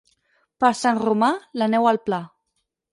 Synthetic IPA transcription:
paɾsanrumalanɛwalˠpla

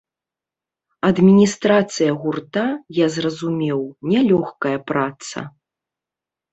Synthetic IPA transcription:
ɐd̪mʲinʲist̪ɾat̪sɨjɐɣurt̪ajazrɐzumʲɛwnʲɛlʲɔxkɐjɐpɾat̪sɐ̰

